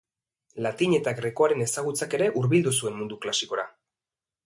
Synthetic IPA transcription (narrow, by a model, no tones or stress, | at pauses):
lat̪iɲe̞t̪aɣɾe̞koaɾe̞ne̞saɣ̞ut͡sake̞ɾe̞ʔuɾβild̪usue̞mmund̪uklasiko̞ɾa